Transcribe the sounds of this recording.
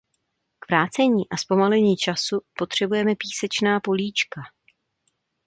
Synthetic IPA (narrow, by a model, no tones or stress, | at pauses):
kvɾaːt͡sɛɲiːʔaspo̞malɛɲiːt͡ʃasupo̞t̪r̝̥ɛbujɛmɛpiːsɛt͡ʃnaːpo̞liːt͡ʃka